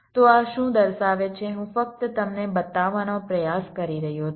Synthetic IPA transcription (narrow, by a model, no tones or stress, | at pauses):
t̪oaʃũd̪əɾʃaʋet͡ʃʰeɦũfək̚t̪t̪əmnebət̪aʋanopɾəjaskəɾiɾəɦjo